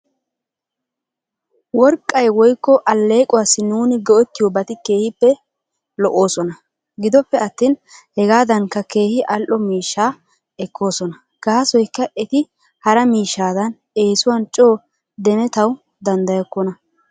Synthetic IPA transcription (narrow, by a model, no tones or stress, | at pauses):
wɔɾkʼːɐjwɔjkːɔʔɐlːe̞ːkʼʊwaːsːɪnuːnɪɡɔʔɔt̪ːɪjɔbɐt̪ɪke̞ːhɪpːɛ | lɔʔo̞ːsɔnɐ | ɡɪd̪ɔpːɛɐt̪ːiːnhɛɡaːd̪ɐŋkːɐke̞ːhɪʔɐlʔɔmiːʃːaː | ɛkːo̞ːsɔnɐ | ɡ̥aːsɔjkːɐʔɛt̪ɪ | hɐɾɐmiːʃːaːd̪ɐn | e̞ːsʊwant͡ʃʼo̞ː | d̪ɛmɛt̪ɐw | d̪ɐnd̪ɐjɐkːɔnɐ